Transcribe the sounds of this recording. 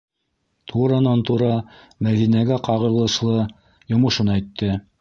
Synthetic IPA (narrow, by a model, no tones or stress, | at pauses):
t̪ʰuɾɑnɑnt̪uɾɑ | mæðinæɡæqɑʁɤ̆ɾlˠɤ̆ʃlˠɤ | jŏmɤ̆ʃɤ̆næjt̪ːɘ